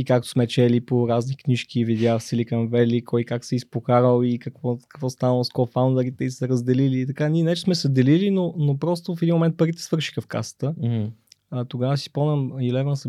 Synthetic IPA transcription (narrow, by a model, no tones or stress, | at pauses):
ikak̚t̪o̥smɛt͡ʃɛlipoɾaznikniʃkivid̪ʲafsɛlikəmvɛlikʰɔjkaksɛispokaɾəlˠikəkvɔkə̥kvɔst̪anəlˠskɔfawnd̪ɐɾit̪ɛisɛɾəzd̪ɛliliːt̪ɐkanʲiɛnɛt͡ʃɛsmɛsəd̪ɛlilinonopɾɔst̪ofɛd̪inmomɛnt̪̚pəɾit̪ɛ̥svɤɾʃi̥xəfka̰sə̥t̪ə | t̪oɡavəsi̥pɔnəmilɛvənsə